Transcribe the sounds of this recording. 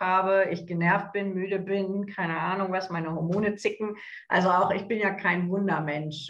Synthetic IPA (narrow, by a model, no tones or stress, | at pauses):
haːbəʔɪçɡ̥ənɛɐft̚b̥ɪnmyːɾəbɪnkʰaɪnəʔaːnʊŋvasmaɪnəhɔɐmoːnət͡sɪkŋ̩ | ʔa̰lzoaʊxɪçb̥ɪnjaːkʰaɪnvʊndɐmɛnʃ